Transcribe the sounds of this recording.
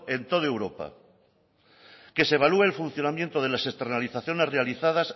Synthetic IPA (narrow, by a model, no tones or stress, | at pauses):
e̞nt̪o̞ð̞oewɾo̞pa̰ | ke̞seβalueelfun̟θjo̞namjent̪oð̞e̞lase̞st̪e̞ɾnaliθaθjo̞ne̞re̞aliθað̞as